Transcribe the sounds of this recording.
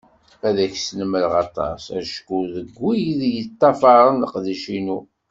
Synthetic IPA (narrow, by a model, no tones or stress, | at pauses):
æðæçsnəməlʁɑt̪ˤɑ̰sæ̰ʃkuðəɡʷːijðjət̪ˤːɑfɑɾˤənəqðiʃinu